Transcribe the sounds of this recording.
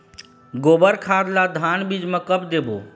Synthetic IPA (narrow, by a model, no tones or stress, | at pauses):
ɡoːbəɾkʰaːd̪lad̪ʱaːnbid͡ʒmə̃kəpd̪eːbo̰ː